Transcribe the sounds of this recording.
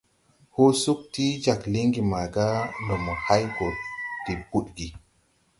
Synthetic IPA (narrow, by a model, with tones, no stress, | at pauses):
ho˦su˦k̚ti˦d͡ʒa˨kli˦ŋɡi˨ma˨ɡa˦ndo˨mo˨ha˦jɡo˨ti˨pu˦ɗɡi˨